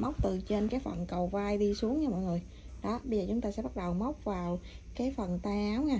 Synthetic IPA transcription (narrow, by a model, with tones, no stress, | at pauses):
ma˦˥wk͡p̚t̪ɨ˨˩t͡ɕe˧nkaː˨˦jfə̰˨˩nkə˨˩wvaː˧jɗi˧su˨˦əŋɲa˧mɔ̰˧˨jŋɨ˨˩əj | ɗɔ˨˦ɓə˧jzəː˨˩t͡ɕʊ˨˦ŋ͡mt̪aː˧sɛ̰˧˥ɓa˦˥t̚ɗə˨˩wmə˦˥wk͡p̚vaː˨˩wkaː˨˦jfə˨˩nt̪aː˧ʔaː˨˦wŋaː˧˩